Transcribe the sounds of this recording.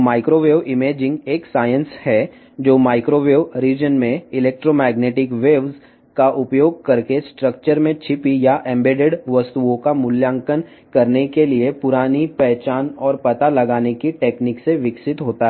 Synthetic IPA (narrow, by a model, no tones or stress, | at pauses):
maːɪkɾoːʋeːʋɪmeːd͡ʒɪ̃ŋɡeːksaːjə̃nshɛ | d͡ʒoːmaːɪkɾoːʋeːʋɾiːd͡ʒənmẽɪleːk̚ʈɾoːmɛːɡneːʈɪkʋeːʋz | kaʔʊpjoːɡ̚kɐɾkesʈɾək̚t͡ʃəɾmẽt͡ʃʰɪpijaʔɛ̃mbeːɖeɖʋɐst̪uõkamʊljãːŋkən | kɐɾnekeliepʊɾaːnipɛɦt͡ʃaːnɔːɾpɐt̪alɐɡaːnekiʈeːknɪkseʋɪksɪt̪ɦoːt̪aɦɛ